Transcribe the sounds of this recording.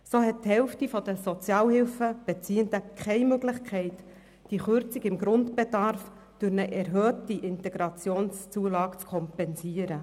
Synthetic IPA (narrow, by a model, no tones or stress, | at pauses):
soːɦɛt̚thɛlftifɔd̥əsɔt͡sjɑːlhɪlfəb̥ɛt͡siːəndəkʰχɛɪmøɡlɪχkʰɛɪt | d̥iχʏɾt͡siɡɪmɡɾʊntb̥edɑɾf | d̥ʊɾnəʔɛɾɦøːtiʔɪntɛɡɾɑt͡sjoːnst͡suəlɑːɡ̥t͡skʰɔmpɛnsiəɾə